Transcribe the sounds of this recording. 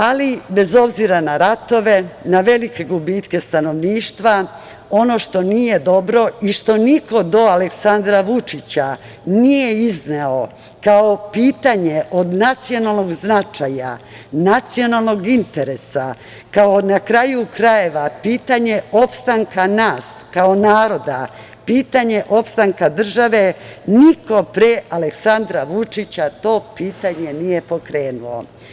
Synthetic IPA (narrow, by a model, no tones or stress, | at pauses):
alibe̞zo̞bziɾanaɾat̪o̞ʋe̞naʋe̞like̞ɡubiːt̪ke̞st̪ano̞ʋniːʃt̪ʋa | o̞no̞ʃt̪o̞nije̞d̪o̞bɾo̞iʃt̪o̞niko̞d̪o̞aleksand̪ɾaʋut͡ʂit͡ɕa | nije̞izneo̞ | kao̞piːt̪aɲe̞ʔo̞d̪nat̪sio̞nalˠno̞ɡznat͡ʃaja̰ | nat̪sio̞nalˠno̞ɡint̪e̞ɾesa | kaonakɾajukɾaje̞ʋapiːt̪aɲe̞o̞pst̪aŋkanaːs | kao̞naːɾo̞d̪a | piːt̪aɲe̞ʔo̞pst̪aŋkad̪r̩ʒaʋe̞niko̞pɾeʔaleksand̪ɾaʋut͡ʃit͡ɕat̪o̞ːpiːt̪aɲe̞nije̞po̞kɾe̞ːnulo̰